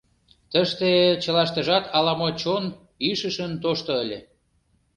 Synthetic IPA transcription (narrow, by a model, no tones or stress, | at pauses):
t̪əʃt̪et͡ɕəlɑʃt̪ə̆ʒɑt̪ʰɑlɑmot͡ɕon | iʃəʃənt̪oʃt̪ŏəlʲe